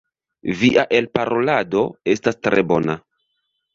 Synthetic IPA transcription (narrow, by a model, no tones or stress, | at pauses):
viʔaʔe̞lpaɾo̞lado̞e̞stastɾʔe̞bo̞na